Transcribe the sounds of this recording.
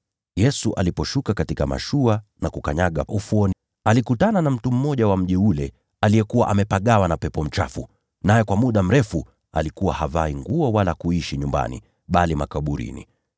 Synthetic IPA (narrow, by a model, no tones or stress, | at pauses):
jɛsuʔa̰lipɔʃukakatikama̰ʃuanakukaɲaɠaufuɔn | alikutananam̩tum̩mːɔʄawam̩ʄiulɛ | alijɛkuwaʔamɛpaɠawanapɛpɔm̩t͡ʃa̰fu | najɛkwamuɗam̩ɾɛfu | a̰likuwahavaiŋɡuɔwalakuiʃiɲumba̰nḭ | ɓalimakaɓuɾḭnḭ